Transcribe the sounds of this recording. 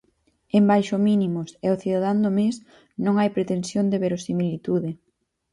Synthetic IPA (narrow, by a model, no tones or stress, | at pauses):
embajʃʊminimʊseoθiðaðand̪omes | nõŋajpɾet̪ensjond̪eβeɾosimilit̪uðɪ